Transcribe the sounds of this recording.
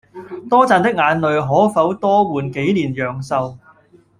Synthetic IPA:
t̪ɔː˥t͡saː˨˧nt̪ɪ˥k̚ŋaː˨˧nlɵ˨ɥɦɔː˨˥fɐ˨˥wt̪ɔː˥wuː˨˩nke˨˥jliː˨˩njœː˨ŋsɐ˨w

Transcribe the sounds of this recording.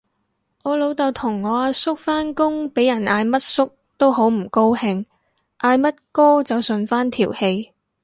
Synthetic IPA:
ŋɔː˨˧lo˨˧wt̪ɐ˨wt̪ʰʊ˨˩ŋːɔː˨˧aː˧sʊ˥k̚faː˥nkʊ˥ŋpe˨˥jɐ˨˩naː˧jmɐ˥t̚sʊ˥k̚ | t̪o˥wɦo˨˥wm̩˨˩ko˥whɪ˧ŋ | ʔaː˧jmɐ˥t̚kɔː˥t͡sɐ˨wsɵ˨˧nfaː˥nt̪ʰiː˨˩whe˧j

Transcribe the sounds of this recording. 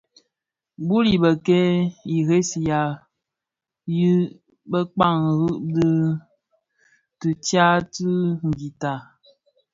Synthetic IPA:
bu˦li˨bə˨kɛ˦i˨ɣe˦si˨ja˨ | ji˦ | bə˦k͡pa˦˨ŋɣɨ˦ʔdɨ˦ | tɨ˨tja˦tɨ˦ŋ̩˨ɡi˨ta˨

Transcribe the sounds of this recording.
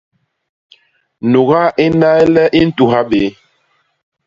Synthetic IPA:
nu˨ɣa˦ʔi˦na˦jlɛ˦ʔi˦n̩˦tu˨ɦa˦ɓe˨˦

